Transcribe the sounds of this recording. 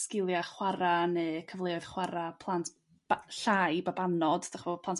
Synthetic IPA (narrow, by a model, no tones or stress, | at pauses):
skɪlˠjaχwaɾaneːkʰəvlˠeɔɨðχwaɾapʰlˠant | bɬajbabanɔd̥daχbopʰlˠant